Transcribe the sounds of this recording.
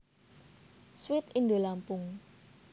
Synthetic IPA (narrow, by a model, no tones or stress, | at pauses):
swɪt̪ind̪olampʊŋ